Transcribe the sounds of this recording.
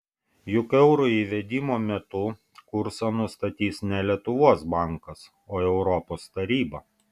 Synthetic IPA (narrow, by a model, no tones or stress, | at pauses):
jʊkɛʊɾʊiːʋʲɛd̪ʲiːmoːmʲɛt̪ʊ | kʊɾsɐnʊst̪ɐt̪ʲiːsnʲɛlʲiɛt̪ʊʋuɔsbɑˑŋˑkɐs | oːɛʊɾɔpoːst̪ɐɾʲiːbɐ